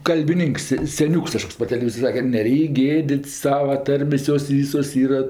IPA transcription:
kɐlʲbʲɪˈnʲɪŋks sʲɛˈnʲuːks kɐˈʃkoːks pɐr tʲɛlʲɛˈʋʲiːzoːrʲ ˈsɑːkʲɛ kɐt nʲɛˈrʲɛɪkʲ ˈɡʲeːdʲɪtʲsʲ ˈsɑːʋɐ ˈtɐrʲmʲeːsʲ ˈjoːs ˈʋʲiːsoːs ˈiːrɐ

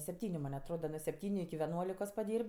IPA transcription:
sʲɛpʲˈtʲiːnʲʊ mɐnʲ ɐtˈroːdɐ nuɔ sʲɛpʲˈtʲiːnʲʊ ɪkʲɪ ʋʲɛˈnuɔlʲɪkoːs pɐˈdʲiːrʲpʲ

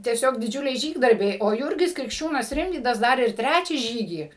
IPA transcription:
tʲiɛˈsʲoːk dʲɪˈd͡ʒʲʊlʲɛɪ ˈʒʲiːɡdɐrʲbʲɛɪ oː ˈjuːrʲɡʲɪs krʲɪkʃʲˈt͡ʃʲuːnɐs ˈrʲɪmʲʋʲiːdɐs ˈdɐr ɪr ˈtʲrʲæːt͡ʃʲæː ˈʒʲiːɡʲiː

